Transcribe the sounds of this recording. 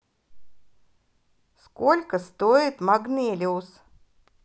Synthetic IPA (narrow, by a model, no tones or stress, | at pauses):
skɔlʲkast̪oit̪maɡnʲeːlʲɛws